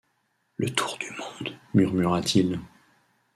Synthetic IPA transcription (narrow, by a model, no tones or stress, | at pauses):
lʔət̪ʰu̥ʁd̪ymɔ̃d̪myʁmyʁat̪ʰil